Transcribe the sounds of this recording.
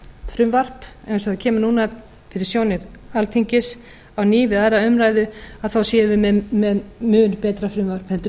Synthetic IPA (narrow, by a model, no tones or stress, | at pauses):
fɾʏmvar̥pḛjnsɔaðcʰɛːmʏnuːna | t̪ʰɪɾɪsjoːwnɪɾalt̪ʰiɲcɪs | awniːvɪðaɾaœmɾajðʏaðθawsjɛːvɪmɛmɛðmʏːnpɛːt̪ɾafɾʏmvar̥phɛlt̪